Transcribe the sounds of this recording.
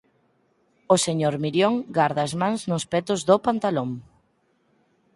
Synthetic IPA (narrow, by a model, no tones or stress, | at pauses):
oseɲoɾmiɾjoŋɡaɾðaːzmãŋznʊspɛt̪ʊzðopant̪aloŋ